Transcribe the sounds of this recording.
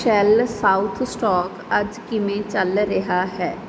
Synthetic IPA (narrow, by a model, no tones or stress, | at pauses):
ʃɛlsaːʊt̪ʰsʈɔːkɐd͡ʒkɪmẽt͡ʃɐlɾɐɦaɦɛː